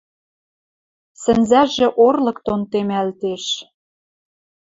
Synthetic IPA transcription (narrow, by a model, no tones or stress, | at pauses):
sɘ̆nzæʒĕʔorlɤ̆kt̪ont̪emælt̪eʃ